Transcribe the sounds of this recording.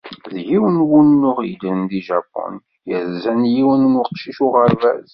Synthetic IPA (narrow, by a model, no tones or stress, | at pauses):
ðʝiwənwunnːʊʁilɾənd̪iʒɑpːɔ̰n | jəðzænjiwənnəqʃiʃʊʁəɾvæ̰z